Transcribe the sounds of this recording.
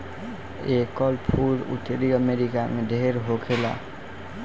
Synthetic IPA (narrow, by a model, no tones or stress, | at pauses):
ekɔlpʰuɾṵʈ̪eɾiəmeɾikamed̪ʱeɾɦokʰela̰